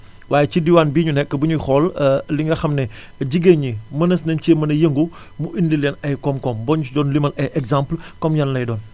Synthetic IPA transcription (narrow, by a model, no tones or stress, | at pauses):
waːjɛcidiwaːnbiːɲunɛkːəbuɲujxɔlliŋɡɐxɐmnɛ | ɟiɡeɲimɐnɐsnɐnceːmɐnɐjəŋɡu | muʔindilɛnɐjkɔmkɔmbɔɲut͡ʃudɔːnlimɐlɛʔɛɡzãmplkɔmɲɐnlɐjdɔːn